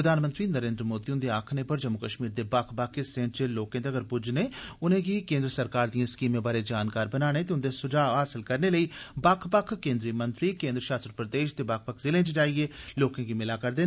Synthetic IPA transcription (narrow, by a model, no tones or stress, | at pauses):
pɾəd̪ʱaːnmə̃nt̪ɾiːnəɾẽːnd̪ɾəmoːd̪iːʊnd̪eaːkʰnepəɾd͡ʒəmːʊkəʃmiːɾd̪ebaːkʰbakʰːesẽːɳʈt͡ʃeloːkẽːt̪eəɡəɾpʊd͡ʒneːʊnẽɡiːkẽːnd̪ɾəsəɾkaːɾd̪ijãːɪskiːmẽːbaːɾed͡ʒaːnkaːɾbənaːɽ̃eːt̪̬eʊnd̪esʊd͡ʒaːɦaːsɪlkəɾneləiːbaːkʰpəkʰkẽːnd̪ɾiːmə̃nt̪ɾiːkẽːnd̪ɾəʃaːst̪əɾpɾəd̪eːʃt̪ebaːk̚ʰpəkʰzɪlẽːt͡ʃd͡ʒaːieːloːkẽːɡimɪlaːkəɾd̪eː